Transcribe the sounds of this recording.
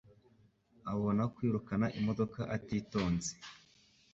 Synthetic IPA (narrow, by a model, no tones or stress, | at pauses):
aβo̞nakwiːɾukanaʔimo̞do̞kaʔatiːto̞ːnze̥